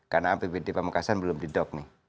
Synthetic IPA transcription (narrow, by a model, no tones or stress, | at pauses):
karnapebedepamakasanbəlʊmdidɔk̚nɪh